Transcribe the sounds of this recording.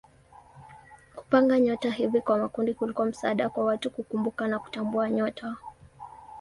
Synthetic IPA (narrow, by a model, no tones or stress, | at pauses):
ku̥paŋɡaɲɔtaɦivikwamakundikulikuam̩sa̰ːɗakwawatukukumbukanaku̥tambuaɲɔtʰa